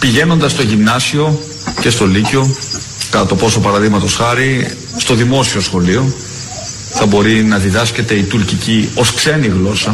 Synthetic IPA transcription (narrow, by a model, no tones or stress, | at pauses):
piʝe̞no̞nd̪ɐst̪o̞ʝinɐsio̞ | ce̞st̪o̞lico̞ | kɐt̪ɐt̪o̞po̞so̞pɐɾɐðiɣmɐt̪o̞sxɐɾi | st̪o̞ðimo̞sio̞sxo̞lio̞ | θɐbo̞ɾinɐðiðɐsce̞t̪e̞it̪uɾcicio̞skse̞niɣlo̞sɐ